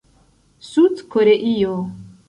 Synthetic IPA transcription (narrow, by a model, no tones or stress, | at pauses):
sud̪kʰoɾeʔijo